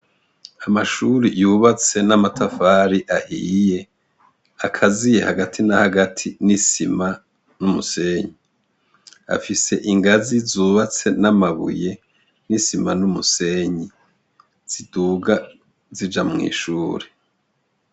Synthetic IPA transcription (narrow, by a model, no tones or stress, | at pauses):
amaʃuːɾijuːβat͡se̞namatafaɾiʔahḭje | akʰazije̞haɡatʰinahaɡatʰinisima | numuse̞ɲi | a̰fise̞ʔiŋɡazizuːβat͡se̞namaβṵje̞ | nisimanumuse̞ɲi | z̥iduːɡa | zid͡ʒamŋḭːʃuːɾe